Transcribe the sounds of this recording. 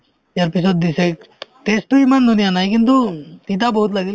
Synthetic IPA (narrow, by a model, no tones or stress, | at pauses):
jɐɾpis̬od̪̚d̪isek̚ | ʈesʈuimənd̪ʱunijanaik̬int̪̬ut̪it̪̬abəɦut̪laɡil